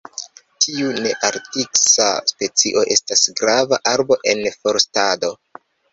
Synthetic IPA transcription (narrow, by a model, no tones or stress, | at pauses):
tʰiune̞ʔaɾtiksa̰spe̞t͡siʔo̞ʔe̞stasɡɾavaʔaɾbo̞ʔe̞nfo̞ɾstado̞